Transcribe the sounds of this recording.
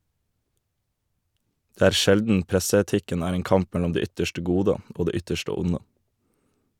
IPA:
ˈdeː ˈæːɾ ˈʃɛldn̩ ˈpɾɛsəɛˌtɪkən ˈæːɾ ˈeːn ˈkɑmp ˈmɛlɔm ˈdeː ˈʏtəʃʈə ˈɡuːdə ˈoː ˈdeː ˈʏtəʃtə ˈʊnə

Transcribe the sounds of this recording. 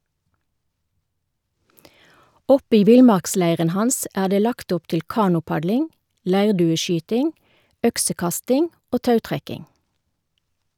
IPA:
ˈɔp ˈiː ˈʋɪlˌmɑʁkˌslæɪʁən ˈhɑns ˈæː ˈdeː ˈlɑkt ˈʊp ˈtɪl ˈkɑːnʊˌpɑdlɪŋ ˈlæɪʁdʉːəˌʃyːtɪŋ ˈœksəˌkɑstɪŋ ˈoː ˈtɑʉtʁɛkɪŋ

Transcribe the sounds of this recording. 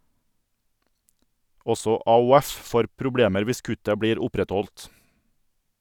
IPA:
ˈɔsɔ ɑʊˈɛf ˈfoːɾ pɾʊˈbɽeːməɾ ˈʋɪs ˈkʉtə ˈbɽiːɾ ˈʊpɾɛˌtɔlt

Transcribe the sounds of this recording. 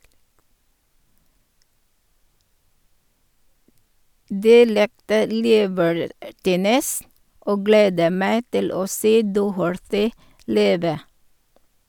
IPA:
ˈdiː ˈlɪktə ˈliːbəɹˌtiːnəs ˈʔoː ˈɡleːdə ˈmæɪ ˈtɪl ˈoː ˈseː ˈdɔhəɹθɪ ˈliːʋə

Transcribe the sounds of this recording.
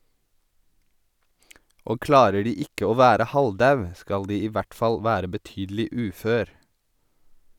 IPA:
ˈoː ˈklɑːɾə ˈɖiː ˈɪkə ˈoː ˈʋæːɾə ˈhɑlˌdɑʉ ˈskɑl ˈdiː ˈiː ˈʋæʈ ˈfɑl ˈʋæːɾə bəˈtyːdl̩ɪ ˈʉːˌføːɾ

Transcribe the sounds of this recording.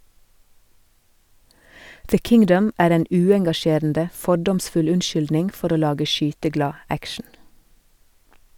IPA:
ðə ˈkɪŋdəm ˈæːɾ ˈeːn ˈʉːɛŋɡɑˌʃeːɾn̩də ˈfɔɖɔmsfʉl ˈʉnˌʃʏldnɪnɡ ˈfɔɾ ˈoː ˈlɑːɡə ˈʃyːtəˌɡlɑː ˈækʃɳ̩

